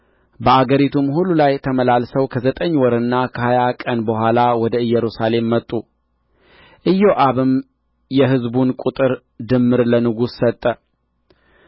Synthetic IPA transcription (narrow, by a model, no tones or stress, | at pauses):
bəaɡəɾit̪ʰumhulːulajt̪ʰəməlalsəwkʰəzət̪ʼəɲːwɔɾɨnːakʰəhajakʼənbəhʷalawɔd̪əɨjːɛɾusale̞mːət̪ʼːu | ʔɨjːoʔaβɨm | jɛɦɨzbunkʼut̪ʼɨɾ | d̪ɨmːɨɾlənɨɡusːət̪ʼːə